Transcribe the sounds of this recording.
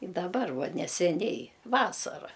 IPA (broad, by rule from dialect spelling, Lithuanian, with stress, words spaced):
ɪ dɐˈbɐr ˈʋɐ nʲɛsʲɛˈnʲɛɪ ˈʋɑːsɐrɐ